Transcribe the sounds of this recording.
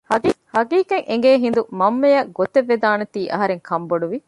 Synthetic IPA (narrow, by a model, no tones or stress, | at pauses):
hɐhɐɡiːkeŋʔeŋɡeːɦind̪umɐmːɐjɐɡot̪eʋːed̪aːnɐt̪iːʔɐɦɐɾeŋkʰɐmboɖuʋi